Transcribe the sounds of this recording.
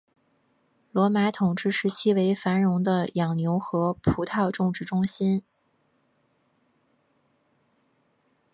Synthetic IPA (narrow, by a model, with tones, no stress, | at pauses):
lwɔ˧˥ma˧˥t̪ʰʊ˨˩ŋʈ͡ʂɻ̩˥˩ʂɻ̩˧˥t͡ɕʰi˥we˧˥ɪfa˧˥nɻʊ˧˥ŋd̪ə˧jɑ˨˩ŋnjo˧˥ʊxɤ˧˥pʰu˧˥t̪ʰɑ˥˧ʊʈ͡ʂʊ˥˧ŋʈ͡ʂɻ̩˥˩ʈ͡ʂʊ˥ŋɕi˥n